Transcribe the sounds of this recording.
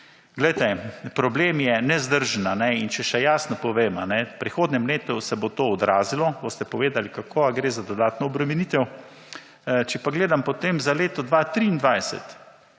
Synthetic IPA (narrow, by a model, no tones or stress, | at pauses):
ɡlɛjt̪ɛpɾɔbleːmjɛnɛzd̪əɾʒənanɛint͡ʃɛʃɛjaːsnɔpɔʋeːma̰nɛpɾixoːd̪nɛmleːt̪usɛbot̪oɔd̪ɾaːzilɔbost̪ɛpɔʋeːd̪alikakʰoːaɡɾeːzad̪ɔd̪aːt̪nɔɔbɾɛmɛnit̪ɛw | t͡ʃɛpaɡleːd̪ampot̪eːmzaleːt̪ɔd̪ʋat̪ɾiːnd̪ʋajsɛ̰t̪